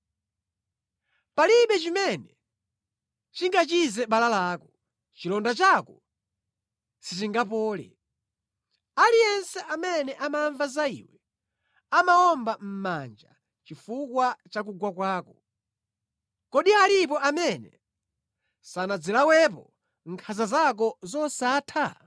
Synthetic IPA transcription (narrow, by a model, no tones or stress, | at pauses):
paliɓɛt͡ʃimɛnɛ | t͡ʃiŋɡat͡ʃizɛɓalalaːkɔ | t͡ʃilɔndat͡ʃakɔ | sit͡ʃiŋɡap̬ɔːlɛ̰ | alijɛnsɛʔamɛnɛʔamaɱvazaḭwɛ | amaɔmbam̩mand͡ʒa̰ | t͡ʃifukwat͡ʃak̬uɡwakwaːkɔ | kɔɗiaɾipɔʔamɛnɛ̰ | sanad͡zɛlawɛpɔ | ŋkʰazazak̬ɔzɔsaːtʰa